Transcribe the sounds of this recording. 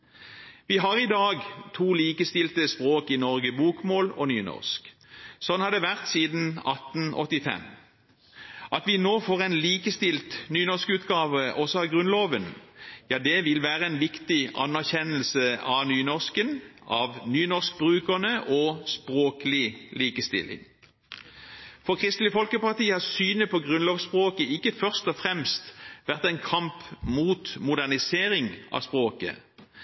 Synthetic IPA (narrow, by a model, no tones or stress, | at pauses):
ʋɪɦɑʁɪd̪ɑːɡt̪ʰuːliːkəst̪ɪlt̪əspʁoːkɪnɔʁɡəbuːkmoːlɔ̰nyːnɔ̰ʁsk | sɔnːhɑd̪ɛʋæʁt̪siːd̪n̩ɑ̰t̪n̩ʔɔ̰t̪ːɪfɛ̰m | ʔɑt̪ʋɪnoːfoːʁɛnliːkəst̪ɪlt̪nyːnɔʁskʉːt̪ɡɑːʋəʔɔsɔɑʋɡʁʉnloːʋənjɑːd̪ɛʋɪlʋæːʁəɛnʋɪkt̪ɪɑ̰nːæʁçɛnəlsəɑʋnyːnɔʂkənɑ̰ʋnyːnɔsk̚bʁʉːkəʁnəʔɔspʁoːklɪliːkəst̪ɪ̰lɪ̰ŋ | fɔkʰʁɪst̪lɪfɔlkəpɑʁt̪iːəɑsyːnəpʰɔɡʁʉnloːʋspʁoːkəɪkːəfœʁst̪ɔfʁɛmst̪ʋæʁt̪ɛɪnkʰɑmpmuːt̪mʊd̪ænɪseːʁɪŋʔɑ̰spʁoːkə̰